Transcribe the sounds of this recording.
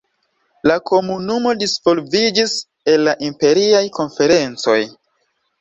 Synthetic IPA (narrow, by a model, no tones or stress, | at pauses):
lakʰo̞munumo̞disv̥o̞lvid͡ʒis | e̞lːaʔimpe̞ɾiajko̞nfe̞ɾe̞nt͡so̞j